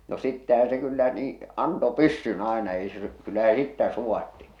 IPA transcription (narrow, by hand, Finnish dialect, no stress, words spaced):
no sitːæhæ̃ː se kylːæ niː ɑnto pysːyn ɑenɑ ei se kylːæ se sitːæ suwɑtːi